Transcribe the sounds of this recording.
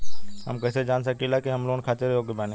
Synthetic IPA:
hɐ̰mkɛːsed͡ʒaːnsɐkilakiɦɐmloːnkʰaːt̪eɾɦoːɡebaːnẽ

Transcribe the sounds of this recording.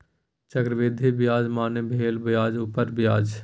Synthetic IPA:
t͡ʃəkɾəʋɪd̪ʱibɪjaːd͡ʒmaːnebʱeːlbjaːd͡ʒupəɾbɪjaːd͡ʒ

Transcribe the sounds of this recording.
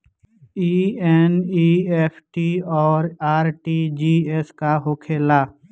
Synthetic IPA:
iːɛniːeːpʰʈiɔːɾaːɾʈid͡ʒiːeskaɦoːkʰeːlaː

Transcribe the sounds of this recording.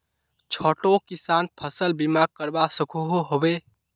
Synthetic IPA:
t͡ʃʰoʈokisanpʰəsəlbimaɡ̚kəɾbasəkʰuɦoɦobe

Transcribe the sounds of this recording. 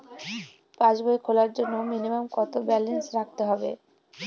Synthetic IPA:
pãt͡ɕboekʰolaɾd͡ʑonːominimamkɔt̪obɛlensɾak̚t̪eɦɔbḛ

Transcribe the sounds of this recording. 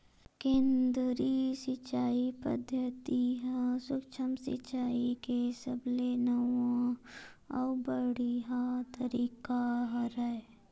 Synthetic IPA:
kẽːnd̪ɾisɪt͡ʃːaːipə̰d̪ʱjət̪iɦsʊkt͡ʃʰəmsɪ̰t͡ʃːaːikesəblenəwã | ɔ̰bəɽiɦat̪əɾiːkaɦɾəe

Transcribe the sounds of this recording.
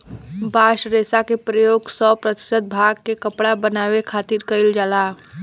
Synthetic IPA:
baːʃɾeːsakepɾəjoːɡsɔpɾət̪ɪ̥səd̪̚bʱaɡkekəpɽabənaːwekʰaːt̪iɾkəɪld͡ʒaːlaː

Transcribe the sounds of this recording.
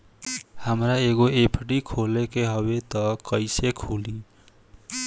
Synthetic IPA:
həmɾaeɡoepʰɖikʰolekeɦəbet̪ʌkəɪsekʰuli

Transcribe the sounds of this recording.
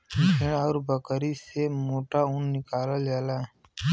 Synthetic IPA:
eɔːɾbəkəɾisemoːʈaũnnɪkaːləld͡ʒaːlaː

